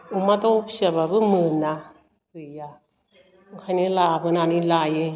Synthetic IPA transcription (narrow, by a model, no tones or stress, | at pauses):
umadɔpsaβabɯmɯna | ɯja | kʰajnilabɯnanilajɯ